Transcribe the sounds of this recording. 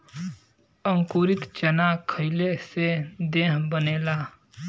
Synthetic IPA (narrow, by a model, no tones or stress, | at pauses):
ə̃ŋkuɾɪt̪t͡ʃənakʰəɪlesed̪eːɦbəneːlaː